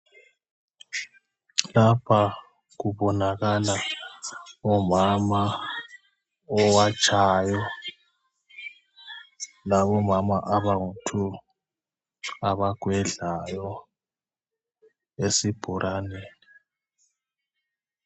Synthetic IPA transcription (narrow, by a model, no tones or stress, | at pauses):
lapʰa | ɣuβɔnaɣala | ɔmama | ɔwat͡ʃʰʼajɔ | laβɔmamaʔaβaŋutʰu | aβaɡ̥ʱwɛɮajɔ | esib̥ʱuɾʔaneni